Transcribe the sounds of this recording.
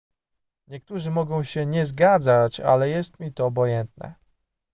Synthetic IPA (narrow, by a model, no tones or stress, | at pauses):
ɲɛkt̪uʐɘmɔɡɔ̃w̃ɕɛɲɛzɡad̪zat͡ɕa̰lɛjɛst̪̚mʲit̪ɔːbɔjɛnt̪̚nɛ̰